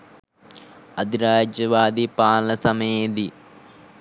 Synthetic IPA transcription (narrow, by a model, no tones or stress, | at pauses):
ɐd̪ʱiɾaːd͡ʒjɐʋaːd̪ipaːlɐsɐmed̪i